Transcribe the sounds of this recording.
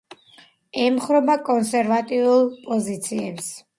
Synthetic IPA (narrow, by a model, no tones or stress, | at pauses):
ɛmχɾɔbakʼɔnsɛɾvat̪ʼiulˠpʼɔzit̪sʰiɛps